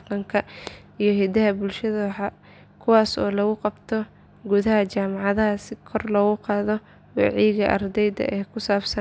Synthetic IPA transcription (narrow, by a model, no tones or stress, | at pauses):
qɐŋkʰɐijɞɦɛd̪ɐɦɐbʊlʃɐðɐwħɑ | kʰʊwɑːsɔːlɐɣʊqɑbt̪ʰɔ | ɡʊðɐɦɐt͡ʃaːmɑʕɑðɐɦɐsɪkʰɔrlɔɣʊqɑːðɔ | wɑ̰ʕijɣɐʔɐ̰rd̪ɛjd̪ɐ̰ʔɛːkʰʊsaːbsɐ